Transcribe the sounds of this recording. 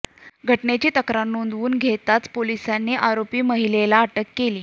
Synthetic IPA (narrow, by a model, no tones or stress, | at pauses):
ɡʱəʈnet͡ɕiːt̪əkɾanːund̪ʋuːnɡʱet̪at͡spolisanːeʔaɾopiːməɦilelaːʈəkːeliː